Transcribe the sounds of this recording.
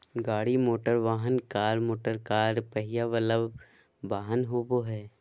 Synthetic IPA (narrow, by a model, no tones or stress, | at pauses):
ɡaːɽimoːʈəɾʋaːɦənkaːɾmoːʈəɾkaːɾpəɦɪjaʋələb | ʋaːɦənɦoboɦɛː